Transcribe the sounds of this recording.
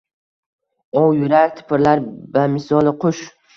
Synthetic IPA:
ɒwjʊɾaɾʲt̪ʰɪ̥pʰɪɾlaɾbamɪsɒlˠɪqʰʊʃ

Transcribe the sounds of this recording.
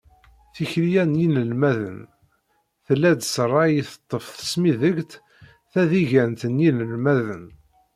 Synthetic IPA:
θiçɾijænjinəlmæðə̰n | θəlːæd̪srˤːɑjiθə̥t̪ˤːəfθə̥smiðəɡt̪ | θæðiʝænt̪ənjinəlmæðən

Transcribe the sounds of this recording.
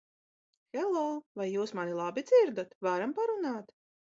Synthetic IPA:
xɛlˠɔːvajːuːsmanilˠabid̪ziɾd̪at̪vaɾampaɾunaːt̪

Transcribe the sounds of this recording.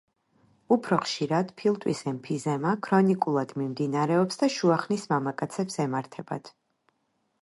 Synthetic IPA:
upʰɾɔχʃiɾad̪̥pʰilˠt̪ʼwisɛmpʰizɛmakʰɾɔnikʼulˠad̪̥mimd̪inaɾɛɔpsd̪aʃuaχnismamakʼat̪sʰɛpsɛmaɾt̪ʰɛba̰d̪̥ʰ

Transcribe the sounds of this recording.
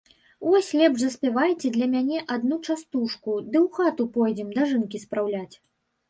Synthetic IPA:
vɔsʲlʲɛbʐzɐsʲpʲɛvajt͡sʲɛd̪lʲɐmʲanʲɛʔad̪nut͡ʂast̪uʂkud̪ɨwxat̪upɔjd͡zʲɛmd̪aʐɨnkʲispɾawlʲat͡sʲ

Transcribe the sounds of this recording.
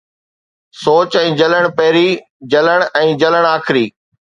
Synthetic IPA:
soːt͡ɕɛ̃ːd͡ʑɐləɽ̃pɐɦɪɾiː | d͡ʑɐləɽ̃ɛ̃ːd͡ʑɐləɽ̃aːkɪɾiː

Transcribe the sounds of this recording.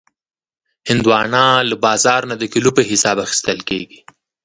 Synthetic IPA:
hɪnd̪wɑnɑləbɑzɑɾnad̪əkilupəɦɪsɑbaxi̥st̪əlkeɡi

